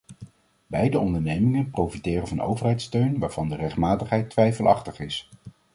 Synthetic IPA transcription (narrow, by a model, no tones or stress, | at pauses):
bɛjdəɔndəɹnejmɪŋənprowfitɪːrənvɑno̰wvəɹɦɛjtstøɥnʋaːɹv̥ɑndərɛχtmaːtəχɦɛjtʋɛjfəlˠɑ̰χtəχɪs